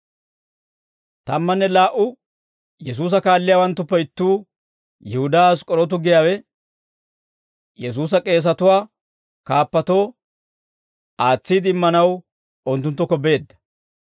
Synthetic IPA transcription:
t̪ɐmːɐnːɛlaːʔʊ | jɛs̬uːs̬ɐkaːlːɪjaːwɐnt̪ːʊpːɐjɪt̪ːuː | jɪhʊd̪aas̬kʼɔɾɔt̪̬ʊɡɪjaːwɛ | jɛs̬uːs̬ɐkʼe̞ːs̬ɐt̪ʊwaː | kaːpːɐt̪o̞ː | aːt͡sːiːd̪ɪmːɐnɐw | ɔnt̪ːʊnt̪ːɔkɔbe̞ːd̪ːɐ̥

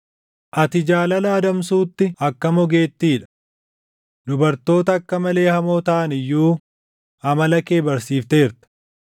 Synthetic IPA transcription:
ʔɐt̪ɪd͡ʒaːlɐlaːd̪ɐms̬uːt̪ːɪɐkːɐmɔɡe̞ːt̪ːiːᶑɐ̥ | d̪ʊbɐɾt̪o̞ːt̪ɐːkːɐmɐle̞ːhɐmoːt̪ɐʔɐnɪjːuː | ɐmɐlɐke̞ːbɐɾsiːft̪e̞ːɾt̪ɐ̥

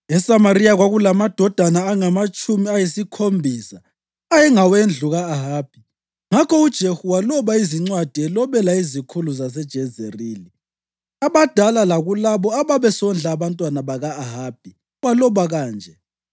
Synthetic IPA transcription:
ɛsamariaɣwaɣulamad̥ʱɔd̥ʱanaːŋamat͡ʃʼumiajisikʰombʱiːsa | ajɛŋawend͡ɮʱuɣaːɦaːb̥ʱi | ŋakʰɔud̥ʒ̥ʱehuwalɔβaiziŋ͡ǀwad̥ʱiɛlɔβɛlaizikʰuluzasɛd̥ʒ̥ʱɛzeriːli | aβad̥ʱalalaɣulaβɔaβaβɛsɔnd͡ɮʱaːβantʼwanaβaɣaːɦaːb̥ʱi | walɔβaɣaːnd͡ʒʱɛ

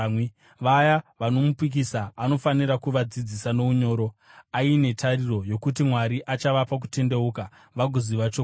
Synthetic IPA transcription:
ʋajaʋano̞mupik̬isaːno̞faniɾakuʋad͡zid͡zisano̞uɲo̞ːɾo̞aine̞tʰariro̞jo̞kut̬imwaɾiʔat͡ʃaʋapak̬ute̞nde̞uːka | ʋaɡʱoziʋat͡ʃo

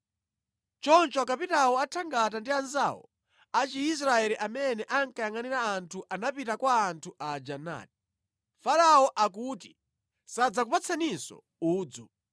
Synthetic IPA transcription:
t͡ʃɔnt͡ʃɔkapitawɔatʰaŋɡat̬andianza̰wɔ̰ | at͡ʃiis̬ɾaɛɾiʔamɛnɛʔaŋkajaŋaniɾaːntʰuʔanapitakwaːntʰuʔad͡ʒana̰ːti | faɾawɔʔakuːti | sad͡zakupat͡sʰanisɔ̰ | uːd͡zṵ

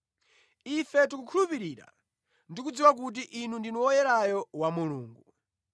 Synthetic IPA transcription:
ifɛtikukʰulupiɾiɾa̰ | ndik̬ud͡ziwak̬ut̬iʔinundinuwɔjɛɾajɔwamuluːŋɡu

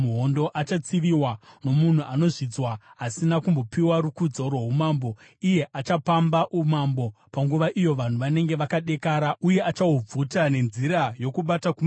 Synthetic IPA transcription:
uɦo̞ndo̞ʔat͡ʃat͡siʋiwano̞mun̤uʔano̞ʐid͡zwaɦasinakumbo̞piwaɾukud͡zo̞rweɦumaːmbo̞ | ije̞ʔat͡ʃapambaʔumambo̞paŋɡuʋaʔijo̞ʋan̤uʋane̞ŋɡe̞ʋakaɗe̞kaːɾauje̞at͡ʃaub͡vutane̞nziɾajo̞kuɓatakum

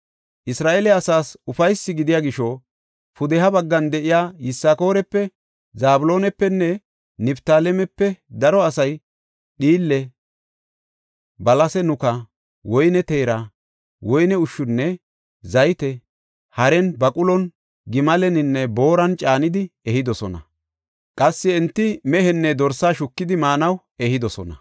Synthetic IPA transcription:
ʔɪsɾaːʔelɛɐsaːsʊfɐjsːɪɡɪd̪ɪjaːɡɪʃɔ | fʊd̪ɛɦɐbɐɡːɐnd̪ɛʔɪjaːjɪsːaːko̞ːɾɛpːɛ | zaːbʊlo̞ːnɛpːɛnːɛ | nɛbt̪aːlɛmɛpːɛd̪ɐɾɔɐsɐj | ɗiːlːɛ | bɐlɐsɛnʊkɐ | wɔjnɛt̪eːɾɐ | wɔjnɛʊʃːʊnːɛ | zɐjt̪ɛ | hɐɾɛnbɐkʼʊlɔn | ɡɪmɐlɛnɪnːɛbo̞ːɾɐnt͡ʃʼaːnɪd̪ɪɛhɪd̪ɔsɔnɐ̰ | kʼɐsːɪɛnt̪ːɪmɛɦɛnːɛd̪ɔɾsaːʃʊkːɪd̪ɪmaːnɐw | ɛhɪd̪ɔsɔnɐ̰

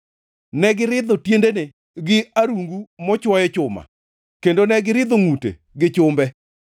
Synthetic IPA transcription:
nɛɡɪɾɪd̪ɔtjendene | ɡɪaɾuŋɡumɔt͡ʃwɔjɛt͡ʃʊma̰ | kendonɛɡɪɾɪd̪ɔŋutḛ | ɡɪt͡ʃʊmbɛ

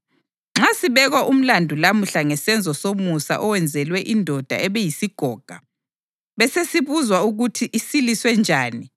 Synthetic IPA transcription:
ŋ͡ǁasiβɛɣwaʔum̩landʱulamuɬaŋɛsɛnd͡zʱɔsomusa̰ʔɔwɛnd͡zʱɛlwɛʔindʱɔd̥ʱa̰ɛβɛjisiɡ̥ʱɔːɡ̥ʱa | βɛsesiβuzwauɣutʰiʔisiliswɛnd͡ʒʱaːni

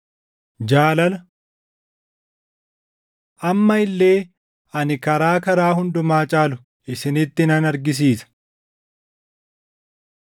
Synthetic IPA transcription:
d͡ʒaːlɐlɐ | ʔɐmːɐɪlːe̞ː | ɐnɪkɐɾaːkɐɾaːɦʊnd̪ʊmaːt͡ʃʼaːlʊ | ʔɪsɪnɪt̪ːɪnɐnɐɾɡɪs̬iːsɐ̥

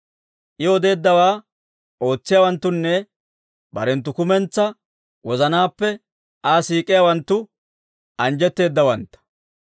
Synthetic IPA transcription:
ʔɪɔd̪e̞ːd̪ːɐwaː | ʔo̞ːt͡sːɪjawɐnt̪ːʊnːɛ | bɐ̰ɾɛnt̪̬ːʊkʊmɛnt͡sːɐ | wɔzɐnaːpːɛ | ʔasiːkʼːɪjawɐnt̪ːʊ | ʔɐnd͡ʒɛt̪ːe̞ːd̪ːɐwɐnt̪ːɐ̥

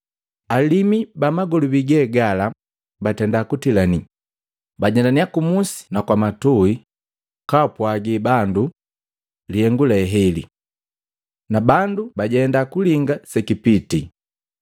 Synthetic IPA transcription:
alimibamaɡɔlubiɡɛːɡala | batɛndakutilani | baɟɛndaniakumusi̥nakwamatui | kapwaɡibandu | lihɛŋɡulɛɦɛlḭ | nabandubaɟɛndakuliŋɡasɛkipiti

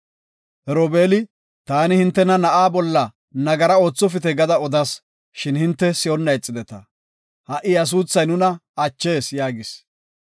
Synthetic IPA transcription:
hɛɾoːbe̞ːlɪ | t̪aːnɪhɪnt̪ːɛnɐnɐʔaːbɔlːɐ | nɐɡɐɾɐo̞ːt͡sːɔfɪt̪ɛɡɐd̪ɐɔd̪ɐs | ʃɪnhɪnt̪ːɛsɪjɔnːɐjt͡sʼːɪd̪ɛt̪ɐ̰ | hɐʔɪjɐs̬uːt͡sːɐjnʊnɐɐt͡ʃːe̞ːsjaːɡɪs

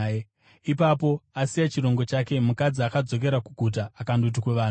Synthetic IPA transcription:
ipapo̞asijat͡ʃiɾo̞ŋɡo̞t͡ʃake̞mukad͡ziakad͡zo̞k̬e̞ɾakuɡʱut̬aːkandot̬ikweʋaːnu

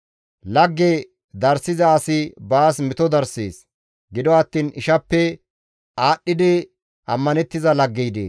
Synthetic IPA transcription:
lɐɡːe | d̪ɐɾsɪzɐːsɪbaːsmɪt̪ɔd̪ɐɾsḛːs | ɡɪd̪ɔɐt̪ːiːnɪʃɐpːɛ | aːɗːɪd̪ɪ | ɐmːɐnɛt̪ːɪzɐlɐɡːɛjd̪ḛːs

